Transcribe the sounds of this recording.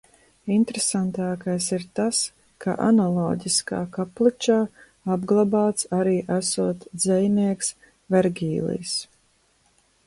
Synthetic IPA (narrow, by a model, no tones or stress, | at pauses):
int̪ɾesant̪aːkajsiɾt̪as | kʰa̰ʔa̰nalˠɔːɟiska̰ːkaplit͡ʃaː | abɡlˠabaːt̪saɾiːʔæsuɔt̪zɛjniɛks | vɛɾɡʲiːlˠḭs